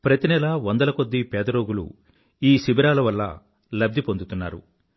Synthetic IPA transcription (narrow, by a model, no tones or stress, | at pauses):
pɾɐt̪inɛlaʋond̪ɐlɐkod̪ːipɛːd̪ɐɾoːɡulṵ | iːsibiɾaːlɐʋɐlːɐ̰ | lɐb̚d̪ʱipond̪ut̪unːa̰ːɾṵ